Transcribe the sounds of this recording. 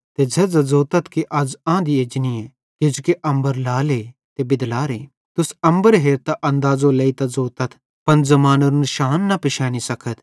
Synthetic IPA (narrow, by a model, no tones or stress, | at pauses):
t̪ed͡ʒɐd͡zɐzoːt̪ɐt̪kiʔɐd͡ʒãːd̪ieːd͡ʒniɛ̃ | ked͡ʒukeʔɐ̃mbəɾlaːleː | t̪ebɪd̪laːɾeː | t̪ʊsɐ̃mbəɾɦeːɾt̪aʔɐ̃nd̪aːzolɐːit̪azoːt̪ɐt̪ʰ | pɐnzɐmaːnoɾnʃaːnːɐpɪʃaːnisɐkʰət̪ʰ